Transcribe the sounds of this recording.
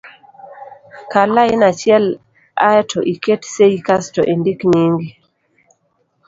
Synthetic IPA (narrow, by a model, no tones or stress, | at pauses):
kalaɪnat͡ʃɛl | a̰ɛtʰɔʔiketseikastɔʔendikɲiŋɡi